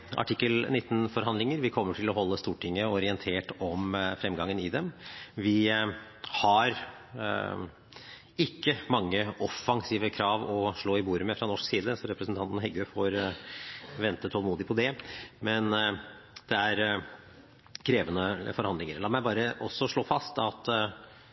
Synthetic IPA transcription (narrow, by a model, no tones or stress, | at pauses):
ʔɑ̰ʈʰɪkːəlnɪt̪ːn̩fɔɾɦɑnd̪lɪŋəɾʋɪkʰɔmːəʈʰɪlɔɦɔlːəst̪uːʈʰɪŋːəɔɾɪənt̪ʰeːʈɔmfɾɛmɡɑŋːənɪd̪ɛmʋɪ | hɑɾ | ɪkːəmɑŋːəʔɔfɑŋsiːʋəkʰɾɑːʋɔʂɭoːɪbuːɾəmɛfɾɑnɔʂksiːd̪əsɔɾɛpɾəsn̩t̪ɑnt̪n̩hɛɡøfoːɾ | ʋɛnt̪ət̪ʰɔlmuːd̪ɪpʰɔd̪ɛmɛn | d̪̥ɛæɾ | kʰɾeːʋənəfɔɾhɑnd̪lɪŋəɾɭɑːmæɪbɑːɾəʔɔsːɔʂɭoːfɑst̪ɑt̪